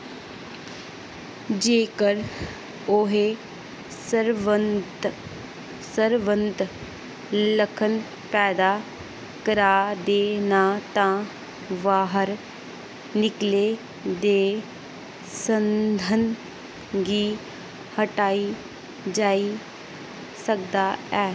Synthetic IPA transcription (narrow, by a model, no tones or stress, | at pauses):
d͡ʒeːkəɾ | oɦe | səɾʋənt̪ | səɾʋə̃nt̪ | ləkʰən | pɛːd̪aː | kəɾaːd̪eːnat̪ãː | ʋaːɦəɾ | nɪkleː | d̪eː | sənd̪ʱən | ɡiː | həʈaːiː | d͡ʒaːi | sək̚d̪aːɛː